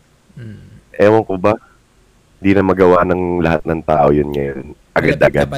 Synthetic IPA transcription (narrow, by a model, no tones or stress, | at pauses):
ʔɛːwoŋkoba | hɪnd̪inɐmɐɡɐwaʔnɐŋlɐhat̪̚nɐŋt̪aːʔo̞jʊnŋɐjonʔɐɡad̪ʔɐɡad̪̚